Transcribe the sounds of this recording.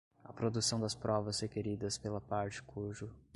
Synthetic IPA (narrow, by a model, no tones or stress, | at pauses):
ɐ̰pɾod̪usɐ̃w̃d̪ɐspɾɔvɐshekeɾid̪ɐspelɐpaɾt͡ʃɪ̥kʰuʒʊ